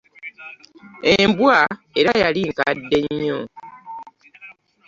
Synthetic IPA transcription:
embwa | e̞ɾajaliŋkadːe̞ɲːo

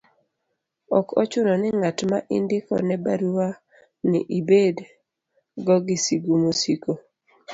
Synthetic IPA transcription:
ɔkɔ̰t͡ʃʊnɔnɛŋatmaʔɪ̰ndɪkɔ̰nɛbaɾuwa | nɪ̰ʔibed | ɡɔɡisiɡumosiko

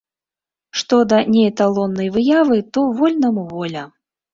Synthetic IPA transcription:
ʂt̪ɔd̪ɐnʲɛjt̪alˠɔnːɐjvɨjavɨt̪ɔvɔlʲnɐmuvɔlʲɐ

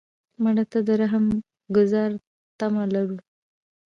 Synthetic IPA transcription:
maɽat̪ad̪əɾaɦam | ɡʊzɑɾ | t̪amalaɾu

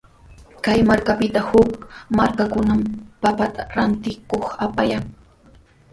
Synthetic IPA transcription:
kajmaɾkapɪt̪ahʊkmaɾkakʊnampapat̪aɾant̪ɪkoχapaja

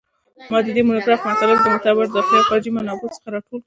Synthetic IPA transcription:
mɑd̪əd̪emʊnabɾɑpmat̪ɑlɪb̚d̪əmʊt̪ɑbɪɾd̪əxapad͡ʒimanɑbot͡sə̥xaɾɑʈol

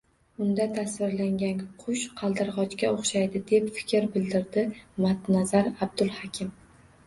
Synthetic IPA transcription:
ʊnd̪at̪ʰasvɪɾlaŋɡʲanqʰʊʃqʰɑlˠd̪ɪɾʁɒt͡ʃkʲaoχʃajd̪ɪd̪e̞pfɪ̥kʲʰɪɾbɪld̪ɪɾd̪ɪmat̪nazaɾab̚d̪ʊlˠhɒkʲʰɪm

